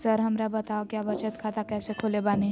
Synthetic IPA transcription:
səɾɦəmɾabət̪aokjabət͡ʃət̪kʰat̪akɛːsekʰolebaːne

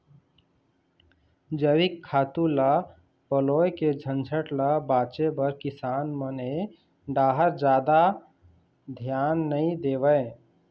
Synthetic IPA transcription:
d͡ʒəɾikʰːaːt̪ũla | pəloːjked͡ʒʱə̃nd͡ʒʱəʈlabaːt͡ʃebəɾkɪsaːnməne | ɖaːɦəɾd͡ʒaːd̪a | d̪ʱjaːnːəĩd̪eːʋəe

